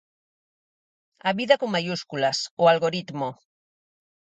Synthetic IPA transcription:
aβiðakoŋmajuskulasoalɣo̞ɾit̪mo

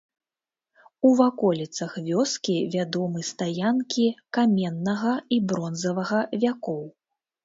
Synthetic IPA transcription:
uvakɔlʲit̪sɐxvʲɔskʲivʲad̪ɔmɨst̪ajankʲikamʲɛnːɐɣɐibɾɔnzɐvɐɣɐvʲakɔw

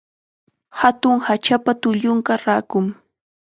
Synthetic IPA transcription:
hat̪ʊŋhat͡ʃapat̪ʊʎʊŋkaɾaːkʊŋ

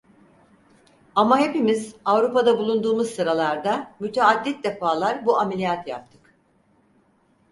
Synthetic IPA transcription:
amaɦe̞pimizavɾupad̪abulˠund̪uːmuzsɯɾalˠaɾd̪amyt̪ʰead̪ːit̪̚d̪e̞faːlˠaɾbuamelʲijat̪ʰja̰p̚t̪ʰɯ̥k

